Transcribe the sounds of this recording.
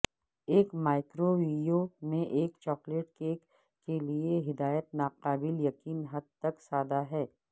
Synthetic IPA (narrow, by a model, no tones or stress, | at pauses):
eːkmaːɪkɾoʋiɖijomẽʔeːkt͡ʃɔːkleːʈkeːkː | elieɦɪd̪aːjət̪̚naːqaːbɪljɐqiːnɦɐd̪̚t̪ɐksaːd̪aɦɛː